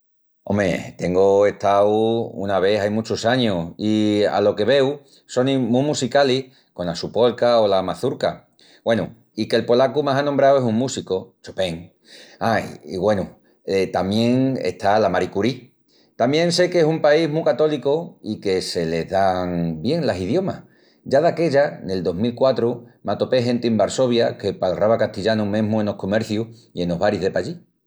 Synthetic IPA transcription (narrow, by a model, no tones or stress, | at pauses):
o̞̰me̞̰t̪e̞ŋɡoe̞ht̪awṵnaβ̞e̞ɦajmut͡ʃosaɲoia̰lo̞ke̞β̞e̞w | so̞nĩmũmusikalih | ko̞nlasupo̞lkaolamaθuɾka | ɡwe̞nu | ike̞lpo̞lakumaɦanõmbɾawe̞suŋmusikot͡ʃope̞ŋ | ajḭɣwe̞nu | et̪amjẽ̞ŋḛht̪alamaɾikuɾi | t̪amjẽ̞ŋse̞kesumpaiɦmukat̪o̞likoike̞se̞le̞ɦðaŋbje̞ŋlasið̞jo̞mah | ɟ͡ʝaðake̞ʎane̞ld̪o̞ɦmilkwat̪ɾumat̪o̞pe̞ɦe̞nt̪iembaɾso̞β̞jake̞palraβakaht̪iʎanumẽ̞ɦmũeno̞hko̞me̞ɾθjuhie̞no̞ɦβaɾiðe̞paʎi